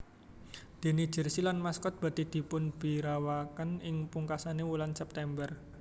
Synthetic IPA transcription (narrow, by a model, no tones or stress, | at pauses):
d̪̥i̤nid̥ʒ̥ə̤rsilanmaskɔt̪̚b̥a̤t̪id̪̥i̤pʊnb̥i̤ɾawakənɪŋpuŋkasanewulansɛp̚t̪ɛmbər